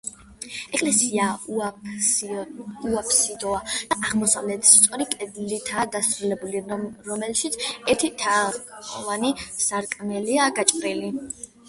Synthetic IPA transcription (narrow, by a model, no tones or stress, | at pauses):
ɛkʼlɛsia | uapʰsid̪ɔad̪̥aʔaʁmɔsa̰vlɛt̪ʰst̪sʼɔɾikʼɛd̪lit̪ʰad̪asɾulɛbuliɾɔmɛlʃit̪sʰɛɾt̪ʰit̪ʰaɔvanisaɾkʼmɛliaɡat͡ʃʼɾili